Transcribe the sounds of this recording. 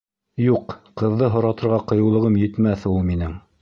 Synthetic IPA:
juqqɤ̆ðːɤɦŏɾɑt̪ɤ̆ɾʁɑqɤ̆jɤ̆wlˠɤ̆ʁɤmjɘ̆t̪mæθulˠminɘŋ

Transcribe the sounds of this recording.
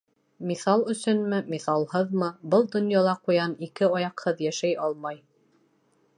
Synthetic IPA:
miθɑlˠɵ̆sɵnmɘmiθɑlˠhɤðmɤbɤlˠd̪ŏnjɑlˠɑqujɑnikɘɑjɑqhɤðjæʃæjʔɑlˠmɑj

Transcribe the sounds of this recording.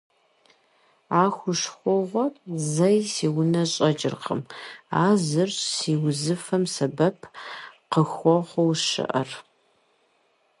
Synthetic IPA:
aːxʷʊʂxʷɔʁʷɔzɐjsiːwʊnɐɕʼɐd͡ʒʼɪ̰rqʰə̰maːzɨrɕsiːwzɨfɐmsɐbɐpʰqəxʷɔʁʷɔwʃɨ̰ʔɐ̰r

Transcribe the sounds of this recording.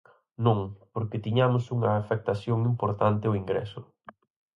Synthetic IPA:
nõŋpoɾkɪt̪iɲamʊsuŋɐːfek̚t̪aθjoŋimpoɾt̪ant̪ɪʊiŋɡɾɛ̰sʊ

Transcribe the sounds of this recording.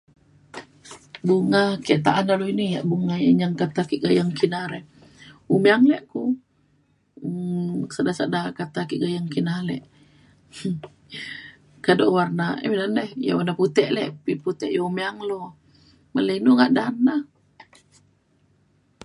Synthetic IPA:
buŋakɛʔt̪aʔanaloinijaʔbuŋajaɲaŋkat̪akiʔɡajaŋkinaɾɛ | umeaŋlɛʔku | sadasaʔdakat̪akiʔɡajaŋkinalɛ̰ʔ | kadoʔwarnaɛ̰midanɛhja̰warnaput̪ɛʔlɛʔpiput̪ɛʔjaumeaŋlo | malainuŋaʔdana

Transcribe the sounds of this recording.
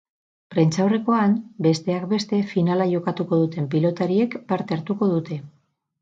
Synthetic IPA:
pɾe̞nt͡ʃawre̞ko̞anbe̞st̪e̞akbe̞st̪e̞finalaʝo̞kat̪uko̞ðut̪e̞mpilo̞t̪aɾie̞kpaɾt̪e̞aɾt̪uko̞ð̞ut̪e̞

